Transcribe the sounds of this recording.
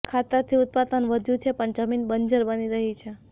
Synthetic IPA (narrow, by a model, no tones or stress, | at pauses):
kʰat̪əɾt̪ʰiut̪̚pad̪ənʋəd̪ʱjũt͡ʃʰepəɳd͡ʒəminbənd͡ʒəɾbəniɾəɦit͡ʃʰe